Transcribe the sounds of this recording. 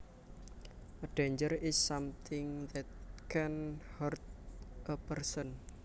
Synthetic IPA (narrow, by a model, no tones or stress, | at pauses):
ʔəɖ̥eɲd͡ʒəɾɪsːamt̪ʰɪŋðɛt̪̚kʰɛnhərt̪̚ʔəpərsən